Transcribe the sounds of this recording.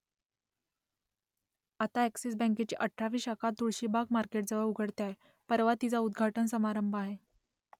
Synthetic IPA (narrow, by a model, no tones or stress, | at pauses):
at̪aæksisbə̃ŋk̬et͡ɕḭːʔəʈʰːaʋiːɕakat̪uɭɕiːbʱaɡmaɾkeʈ̚d͡zəʋəuɡʱəɽt̪jaɦe | pəɾʋat̪it͡saud̪ɡʱaʈənsəmaɾəmbʱaɦe